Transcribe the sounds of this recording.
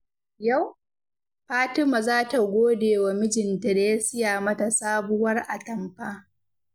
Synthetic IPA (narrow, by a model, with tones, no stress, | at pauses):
ja˦˨w | ɸaː˦tɪ˦ma˨zaː˦ta˨ɡʷoː˦deː˨wa˨mɪ˦d͡ʒɪ˨ntɪ˨ɾeː˦sɪ˦jaː˨mɐ˦ta˨saː˦bʊ˦wɐ˦rʔa˨tɐ˨mɸaː˦